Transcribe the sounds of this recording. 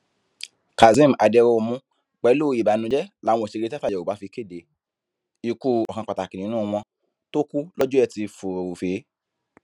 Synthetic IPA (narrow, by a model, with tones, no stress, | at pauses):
ka˨zĩ˦m˨a˨dɛ˧ɾo˧mũ˧˦ | k͡pɛ˨˧˦lo˦˧i˨ba˨nũ˧d͡ʒɛ˦la˨˦w̃ɔ̃˧˨ʃe˧ɾe˧˦tta˦˨jɛ˨o˨ba˨˦fi˧ke˦˨de˨˦ | i˨ku˧˨ɔ˨kã˧˨k͡pa˨ta˨kĩ˨nĩ˨˧˦nũ˦˧m̃ɔ̃˧ | to˦ku˦lɔ˦d͡ʒu˦ɛ˦˨ti˧fo˨o˨o˨fe˨˦